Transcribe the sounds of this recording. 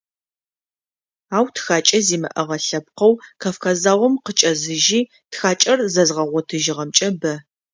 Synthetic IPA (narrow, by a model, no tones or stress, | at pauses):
aːwtʰxaːt͡ʃʼɐziːmɨ̰ʔɐʁɐɬɐp̚qɐwkʰɐfkaːzaːʁɔmqət͡ʃʼɐzɨʒiː | txaːt͡ʃʼɐrzɐzʁɐʁʷɔtʰɨʒɪʁɐmt͡ʃʼɐbɐ